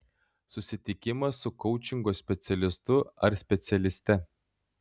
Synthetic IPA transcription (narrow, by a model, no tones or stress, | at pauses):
sʊsʲɪt̪ʲɪkʲɪmɐsːʊkɔʊt͡ʃʲɪŋɡoːsʲpʲɛt̪sʲɛlʲɪst̪ʊɐɾsʲpʲɛt̪sʲɛlʲɪsʲt̪ʲɛ